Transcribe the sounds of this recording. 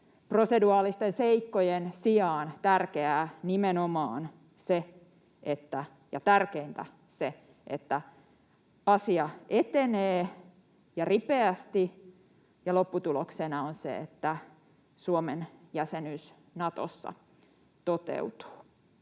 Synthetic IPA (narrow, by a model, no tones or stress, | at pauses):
proseduɑːlist̪enseikːojensiɑːnt̪ærkeæːnimenomɑ̰ːn | se | ʔet̪ːæ | jɑt̪ærkeint̪æ | se | ʔet̪ːæ | ɑsiɑʔet̪eneː | jɑripeæst̪i | jɑlopːut̪uloksenɑonsḛḛt̪ːæ | suomenjæsenys | nɑt̪o̰sːɑ̰ | t̪ot̪ḛut̪u̥ː